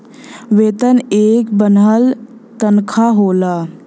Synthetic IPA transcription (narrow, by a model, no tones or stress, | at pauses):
ʋeːt̪əneːkbənal | t̪ənkʰaɦoːlaː